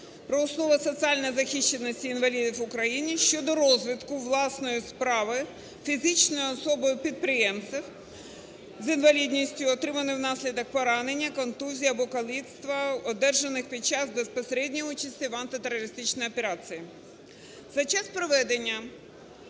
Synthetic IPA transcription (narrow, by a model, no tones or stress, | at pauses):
pɾɔːsnɔʋɐsɔt̪sʲiɑlʲnɔjzɐxiʃt͡ʃenːɔsʲtʲiːnʋɐlʲid̪ʲiwʊkɾɐjinʲiʃt͡ʃɔd̪ɔɾɔzʲʋʲɪt̪kʊʋlˠɑsnɔjʊspɾɑʋɪ | fʲizɪt͡ʃnɔjʊɔsɔbɔjʊpʲid̪̚pɾɪjɛmt̪sɪw | zinʋɐlʲid̪ʲnʲisʲtʲʊɔt̪ɾɪmɐnɪwnɑsʲlʲid̪ɐk̚pɔɾɑne̞nʲːɐkɔnt̪uzʲijɐbɔkɐlˠʲit̪st̪ʋɐɔd̪ɛrʒenɪxpʲid̪̚t͡ʃɑzbespɔseɾɛdʲnʲijut͡ʃɐsʲtʲiʋɐnt̪ɪt̪eɾɔɾɪst̪ɪt͡ʃnɔjɔpeɾɑt͡sʲiji | zɐt͡ʃaspɾɔʋɛd̪enʲːɐ